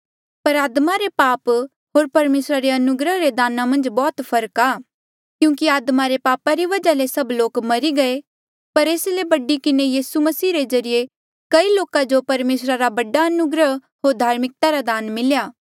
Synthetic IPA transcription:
pɐɾaːd̪maɾepaːp | ɦoːɾpɐɾmeːsɾaɾeɐnʊɡɾəɦɾed̪aːnamɐ̃nd͡ʒbɔːt̪pʰɐɾkaː | kjũːkiaːd̪maɾepaːpaɾiʋɐd͡ʒalesɐbloːkmɐɾiɡɐe | pɐɾeːslebɐɖikɪnejiːsumɐsiːɾezɐɾije | kɐiloːkad͡ʒopɐɾmeːsɾaɾabɐɖaɐnʊɡɾəɦ | ɦoːɾd̪ʱaːɾmɪk̚t̪aɾad̪aːnmɪljaː

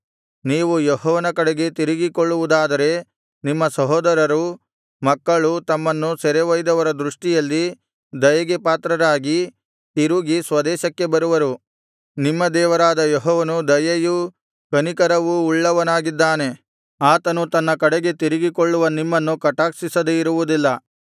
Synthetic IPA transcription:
niːʋujɔɦɔːʋɐnɐkɐɽeɡe̞t̪iɾiɡikoɭːuʋud̪aːd̪ɐɾe̞ | nimːɐsɐɦɔːd̪ɐɾɐɾu | mɐkːɐɭut̪ɐmːɐnːusɛɾeʋɐjd̪ɐʋɐɾɐd̪ɾuʂʈijɐlːi | d̪ɐjɐɡepaːt̪ɾɐɾaːɡi | t̪iɾuɡisʋɐd̪ɛːʃɐkːe̞bɐɾuʋɐɾu | nimːɐd̪ɛːʋɐɾaːd̪ɐjɔɦɔːʋɐnud̪ɐjɐju | kɐnikɐɾɐʋuːɭːɐʋɐnaːɡid̪ːaːne̞ | aːt̪ɐnut̪ɐnːɐkɐɽeɡe̞t̪iɾiɡikoɭːuʋɐnimːɐnːukɐʈaːksisɐd̪eiɾuʋud̪ilːɐ

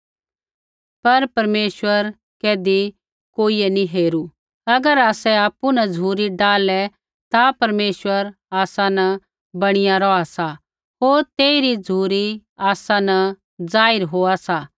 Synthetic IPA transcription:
pɐɾpɐɾmeːʃwəɾ | keːd̪i | koːiɛniɦeːɾu | ɐɡəɾaːsɛaːpːunɐd͡zʱuːɾiɖaːlɛ | t̪apɐɾmeːʃwəɾ | aːsanɐ | bɐɽ̃ɪjaɾɔasa | ɦoːɾt̪eːɪɾid͡zʱuːɾiaːsanɐ | d͡zaːɪɾɦoːasa

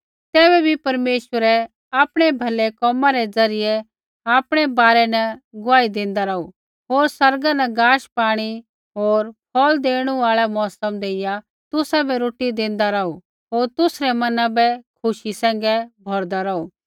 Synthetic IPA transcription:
t̪ɛːbɛbʱipɐɾmeːʃwəɾɛ | aːpɽ̃ɛbʱɐlɛkɔːmãɾɛd͡zɐɾɪjɛ | aːpɽ̃ɛbaːɾɛnɐɡʊaːid̪ẽːnd̪aɾɐu | ɦoːɾsɐɾɡanɐɡaːʃpaːɽ̃i | ɦoːɾpʰɔːld̪eːɽ̃uaːɭɛmɔːsəmd̪eːɪja | t̪ʊsabɛɾoːʈid̪ẽːnd̪aɾɐu | ɦoːɾt̪ʊsɾɛmɐnãbɛkʰʊʃisɛ̃ːŋ̆ɡɛbʱɔɾd̪aɾɐuː

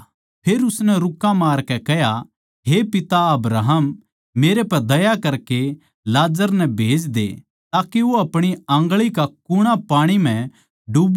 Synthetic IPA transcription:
pʰeːɾʊsnɛɾʊkːãmaːɾkɛkɛɦja | ɦepɪt̪aɐbɾaːɦəmː | eːɾepɐɾd̪ɐjakɐɾke | laːd͡ʒəɾnɛbʱeːd͡ʒd̪ḛ | t̪aːkeʋoɐpɽ̃iɐ̃ŋɡɭikakʊɽ̃apaːɽ̃imɛ̃ | ɖub

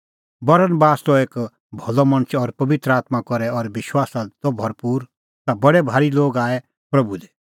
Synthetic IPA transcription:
bɐɾənbaːst̪ɔeːk | bʱɔlɔmɐ̃ɽ̃t͡ʃʰɔɾpɐʋɪt̪ɾəaːt̪makɔɾɛɔɾʋɪʃwaːsat̪ɔbʱɐɾpuːɾ | t̪abɐɽɛbʱaːɾiloːɡaːɛ | pɾɐbud̪ɛ

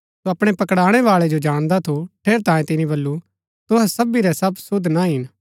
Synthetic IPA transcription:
soɐpɽ̃ɛpɐkɽaːɽ̃ɛʋaːɭɛd͡ʒod͡ʒaːɽ̃d̪at̪ʰoʈʰeːɾt̪ãːjẽt̪ɪnĩbɐlːu | t̪ʊɦɛsɐbiɾɛsɐbsʊd̪ʱnaɦɪn

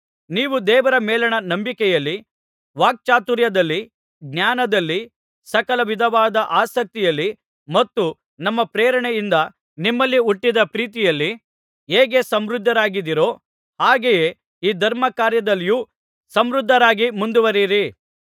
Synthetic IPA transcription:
niːʋud̪ɛːʋɐɾɐmɛːlɐɳɐnɐmbikɛjɐlːi | ʋaːk̚t͡ʃaːt̪uɾjɐd̪ɐlːi | ɡ̚njaːnɐd̪ɐlːi | sɐkɐlɐʋid̪ʱɐʋaːd̪ɐʔaːsɐk̚t̪ijɐlːi | mɐt̪ːu | nɐmːɐpɾɛːɾɐɳɛjind̪ɐ | nimːɐlːiuʈːid̪ɐpɾiːt̪ijɐlːi | ɦeːɡe̞sɐmɾud̪ʱːɐɾaːɡid̪iɾo̞ː | haːɡejeː | iːd̪ʱɐɾmɐkaːɾjɐd̪ɐlːjuː | sɐmɾud̪ʱːɐɾaːɡimund̪uʋɐɾiɾi

